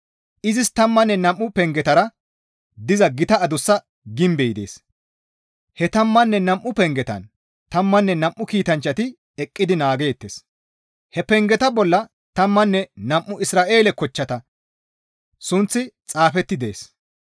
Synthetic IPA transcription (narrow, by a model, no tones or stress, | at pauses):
ʔɪzɪst̪ɐmːɐnːɛnɐmʔːʊpɛŋɡɛt̪ɐɾɐ | d̪ɪzɐɡɪt̪ɐɐd̪ʊsːɐ | ɡɪmbɛjd̪e̞̰ːs | hɛt̪ɐmːɐnːɛnɐmʔːʊpɛŋɡɛt̪ɐ̰n | t̪ɐmːɐnːɛnɐmʔːʊkiːt̪ɐnt͡ʃːɐt̪ɪ | ɛkʼːɪd̪ɪnaːɡeːt̪ːeːs | hɛpɛŋɡɛt̪ɐbɔlːɐ | t̪ɐmːɐnːɛnɐmʔːʊɪsɾaːʔe̞ːlɛkɔt͡ʃːɐt̪ɐ | sʊnt͡sːɪt͡sʼaːfɛt̪ːɪd̪e̞ːs